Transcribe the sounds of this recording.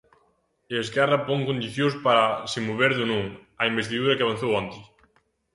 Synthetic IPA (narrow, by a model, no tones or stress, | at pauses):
eeskɛrɐpoŋkond̪iθjospaɾɐsɪmoβeɾðʊnũŋɐimbest̪iðuɾɐkɪaβɐn̟θowant̪ɪ